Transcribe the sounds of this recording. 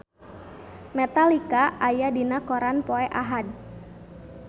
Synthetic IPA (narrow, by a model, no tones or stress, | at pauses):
mɛt̪alikaʔajadinakɔɾanpɔɛʔaɦad̚